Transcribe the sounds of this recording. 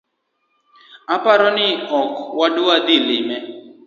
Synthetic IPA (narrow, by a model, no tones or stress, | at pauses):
apaɾɔnɪɔkwaduad̪ɪlɪmɛ